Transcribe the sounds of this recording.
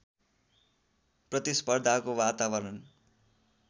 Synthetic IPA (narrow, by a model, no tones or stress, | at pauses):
prʌt̪ispʌrd̪ʱakowat̪awʌɾʌn